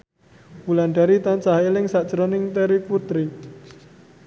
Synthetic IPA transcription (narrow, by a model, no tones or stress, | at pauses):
wulanɖaɾit̪ant͡ʃaɦaelɪŋsaʔd͡ʒ̥ɾɔnɪŋt̪ɛɾiput̪ɾi